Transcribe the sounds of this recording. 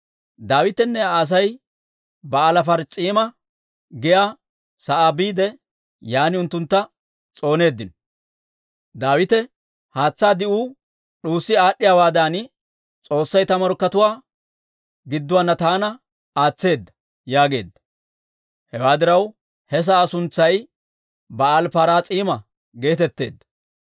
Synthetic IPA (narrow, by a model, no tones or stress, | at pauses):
d̪aːwɪt̪ɛnːɛːs̬ɐj | bɐːlɐfɐɾt͡sʼiːmɐ | ɡɪjaː | sɐʔabiːd̪ɛ | jaːnɪʊnt̪ːʊnt̪ːɐ | t͡sʼo̞ːne̞ːd̪ːɪn | d̪aːwɪt̪ɛ | haːt͡sːaːd̪ɪuː | ɗuːsːɪaːɗːɪjaːwaːd̪aːn | t͡sʼo̞ːsːɐjt̪ɐmɐɾkːɐt̪ʊwaː | ɡɪd̪ːʊwanːɐt̪aːnɐ | aːt͡sːe̞ːd̪ːɐ̥ | jaːɡe̞ːd̪ːɐ̥ | hɛwaːd̪ɪɾɐw | hɛs̬ɐʔaːsʊnt͡sːɐj | bɐɐlpaɾaːt͡sʼiːmɐ | ɡe̞ːt̪ɛt̪ːe̞̰ːd̪ːɐ̥